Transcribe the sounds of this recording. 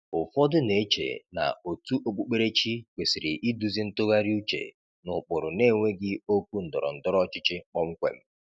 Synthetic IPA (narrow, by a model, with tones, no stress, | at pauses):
ʊ˨fɔ˦dʊ˦ne˨e˦t͡ʃḛ˨na̰˨o˨tu˦ʔo˦k͡pu˦k͡pe˦ɾe˦t͡ʃi˦kʷe˨si˨ɾɪ˨ʔi˦du˦zi˦n̩˦tʊ˦ɣa˦ɾi˦u˦t͡ʃḛ˨ | nʊ˨k͡pʊ˨ɾʊ˨ne˦˨ŋʷe˦ɡɪ˦o˦k̚ʷu˦n̩˨dɔ˨ɾɔ̰˨n̩˨dɔ˦ɾɔ˦t͡ʃɪ˦t͡ʃɪ˦k͡pɔ˦ŋ͡m̩˦kʷḛ˨m̩˦